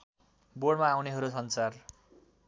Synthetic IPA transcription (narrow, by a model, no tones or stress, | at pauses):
boɽmaːwneɦʌɾusʌnt͡sar